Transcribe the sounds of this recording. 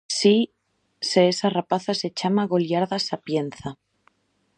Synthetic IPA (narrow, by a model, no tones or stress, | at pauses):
si | seesarapaθase̞t͡ʃamaɣo̞ljaɾðasapjen̟θa